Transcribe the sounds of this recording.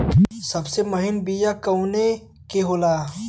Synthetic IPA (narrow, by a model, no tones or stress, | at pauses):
sɐbsemɐɦɪnbijakɐwne | keɦoːlaː